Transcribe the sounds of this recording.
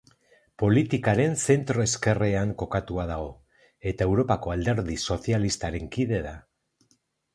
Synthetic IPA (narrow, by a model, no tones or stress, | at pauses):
po̞lit̪ikaɾe̞nse̞nt̪ɾo̞e̞ske̞reaŋko̞kat̪uað̞aɣo̞ | e̞t̪ae̞wɾo̞pako̞ald̪e̞ɾðiso̞θialist̪aɾe̞ŋkið̞e̞ða